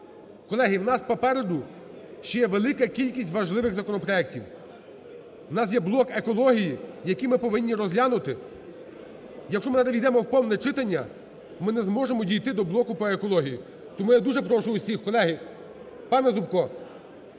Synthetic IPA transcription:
kɔlˠɛɦiwnɑspɔpɛɾed̪ʊ | ʃt͡ʃɔjɛʋelˠɪkɐkʲilʲkʲisʲtʲʋɐʒlˠɪʋɪɣzɐkɔnɔpɾɔɛk̚tʲiw | wnɑs̬jɛblˠɔkekɔlˠɔɦʲijijɐkimɪpɔʋɪnʲːiɾɔzʲlʲɑnʊt̪ɪ | jɐkʃt͡ʃɔmɪnɐd̪ɐʋʲid̪ɛmɔwpɔwnɛt͡ʃɪt̪ɐnʲːɐ | mɪnɛzmɔʒemɔdʲijt̪ɪd̪ɔblˠɔkʊpɔekɔlˠɔɦʲiji | t̪ɔmujad̪uʒɛpɾɔʃʊʊsʲixkɔlˠɛɦi | pɑnɛzʊbkɔ

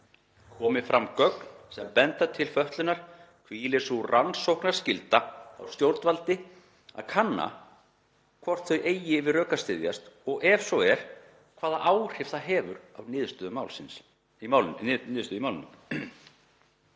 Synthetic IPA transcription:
kʰɔːmɪfɾamːkœknsɛmpɛnt̪at̪ʰɪlfœht̪lʏnaɾ̥ | kʰvilɪsuransowhknḁscɪlt̪aa̰wst̪jowɾt̪valt̪ɪ | a̰ðkʰanːa̰ | kʰvɔr̥t̪θœɥʔeːjɪvɪðrœːkast̪ɪðja̰st̪ɔɣʔɛfsɔwɛɾ̥ | kʰv̥aːðaʔawr̥ɪft̪θaɦɛːvʏɾawnɪːðʏst̪ʏðʏmawlsɪns | nɪːðst̪ʏðimawlɪnʏm

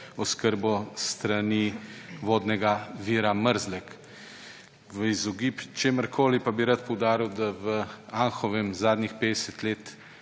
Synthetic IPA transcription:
ɔskəɾbɔst̪ɾaniʋoːd̪nɛɡaʋiːɾaməɾzlɛk | ʋəizɔɡipt͡ʃeːməɾkʰoːlipabiɾat̪pɔwd̪aːɾiwd̪aʋəaŋxɔʋɛmzaːd̪nixpeːd̪ɛsɛt̪leːt̪

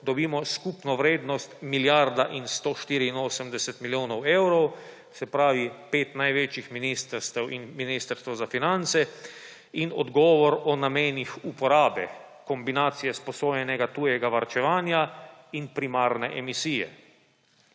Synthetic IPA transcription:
d̪ɔbiːmɔskupnɔʋɾeːd̪nɔst̪miljaɾd̪aʔinst̪oːʃt̪iɾiːnoːsəmd̪ɛsɛt̪miljoːnɔwewɾɔw | sɛpɾaːʋipeːt̪najʋeːt͡ʃjixminist̪əɾst̪ɛwinminist̪əɾst̪ʋɐwzafinant̪sɛ | inɔ̰d̪ɡɔːʋɔɾɔnameːnixupɔɾaːbɛ | kɔmbinaːt̪sijɛspɔsoːjɛnɛɡat̪uːjɛɡaʋaɾt͡ʃɛʋaːnjainpɾimaːɾnɛʔɛmisiːjɛ̰

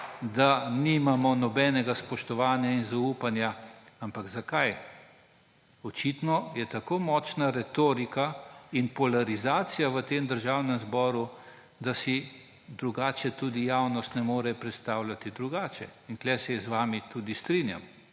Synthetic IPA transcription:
d̪animamɔnɔbɛːnɛɡaspɔʃt̪ɔʋaːnjainzauːpanjaampaɡzakaj | ɔt͡ʃit̪nɔjɛt̪akoːmɔːt͡ʃnaɾɛt̪oːɾikainpɔlaɾizaːt̪sijaʋət̪emd̪əɾʒawnɛmzbɔːɾu | d̪asi | d̪ɾuɡaːt͡ʃɛt̪ud̪ijawnɔst̪nɛmoːɾɛpɾɛt̪st̪aːwlʲjat̪id̪ɾuɡaːt͡ʃɛink̪lɛsɛzʋaːmit̪uːd̪ist̪ɾinja̰m

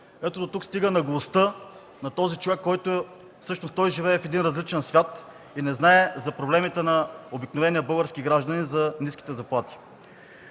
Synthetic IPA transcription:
ɛt̪od̪ot̪ukst̪iɡənɐɡlˠost̪ɤ | nɐt̪ɔzit͡ʃovɛkːɔjt̪o | fsɤʃnost̪ɔjʒivɛɛfɛd̪inɾɐzlit͡ʃɛnsvʲjat̪ | inɛznaɛzɐpɾoblɛmit̪ɛnɐobiknovɛniəbɤlˠɡəɾskiɡɾaʒd̪ɐnizɐniskʲi̥t̪ɛzɐplˠat̪i̥

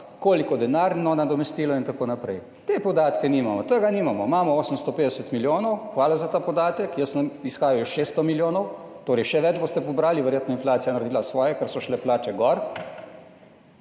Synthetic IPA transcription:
koːlikɔd̪ɛnaɾnɔnad̪ɔmɛst̪iːlɔint̪akoːnapɾɛj | t̪epɔd̪aːt̪kɛniːmamɔt̪əɡaniːmamɔmaːmɔoːsəmst̪ɔpeːd̪ɛsət̪miljoːnɔwxʋaːlazat̪aːpɔd̪aːt̪əkjəsmisxaːjɔjoʃeːst̪ɔmiljoːnɔwt̪oːɾɛjʃɛʋɛd͡ʒbost̪ɛpɔbɾaːliʋɛɾjeːt̪nɔinflaːt̪sijanɐɾed̪iːlasʋɔːjɛkəɾsɔʃlɛplaːt͡ʃɛɡɔɾ

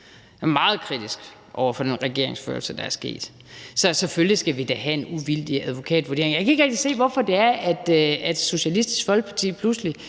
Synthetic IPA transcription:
mɑ̈ːð̞̩ˠkʰʁid̥isɡ̥ | ʔɒʊ̰ɐfɒ̽d̥enʁɛɡ̥e̝ɐ̰e̝ŋsfø̰ɐlsəd̥ɑ̈æɐsɡ̥e̝̰ːd̥ | sɒ̽seføllisɡ̥æʋid̥æɦæe̝nuʋild̥iæð̞ˠʋo̝kʰɛ̰ːd̥ʋoɐd̥e̝ɐeŋjɑ̈kʰæe̝ɡ̥ʁɛɡ̥d̥ise̝̰ːʋɒfɒ̽d̥e̝æɐæd̥æd̥so̝ɕælisd̥i̥sɡ̥fɒ̽lɡ̥̚pʰɑ̈t͡sʰḭːpʰlusli

